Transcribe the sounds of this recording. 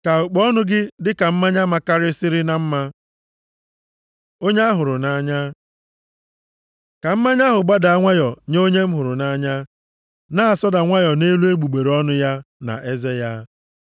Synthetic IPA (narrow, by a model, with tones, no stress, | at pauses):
ka˨ʊ˨k͡pɔ˦nʊ˦ɡɪ˦dɪ˦ka˨m̩˦ma˦ɲa˦ma˦ka˦ɾɪ˦sɪ˦ɾɪ˦na˨m̩˦ma˦ | o˦ɲ˦a˦ɦʊ˨ɾʊ˨na˦ɲa˦ | ka˨m̩˦ma˦ɲa˦ɦʊ˨ɡ͡ba˦da˨a˦ŋʷa˦jɔ˨ɲo˦ɲe˦m̩˦ɦʊ˨ɾʊ˨na˦ɲa˦ | na˦a˨sɔ˦da˨ŋʷa˦jɔ˨ne˦lu˦e˦ɡ͡bu˨ɡ͡be˨ɾɔ˦nʊ˦ja˦na̰˨ʔe˦ze˦ja˦